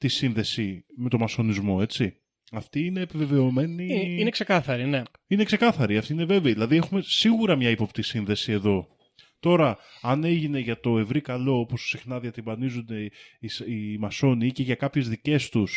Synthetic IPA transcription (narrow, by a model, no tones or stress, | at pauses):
t̪isinðe̞sime̞t̪o̞mɐso̞nizmo̞e̞t͡si | ɐft̪iine̞ːpive̞ve̞o̞me̞niinekse̞kɐθɐɾine̞ | ine̞kse̞kɐθɐɾiɐft̪iine̞ve̞veiðilɐðie̞xume̞siɣuɾɐmɲɐipo̞pt̪isinðe̞sie̞ðo̞ | t̪o̞ɾɐɐne̞ʝine̞ʝɐt̪o̞e̞vɾikɐlo̞opo̞ssixnɐðiɐt̪imbɐnizund̪e̞isimɐso̞nice̞ʝɐkɐpçe̞zðice̞st̪us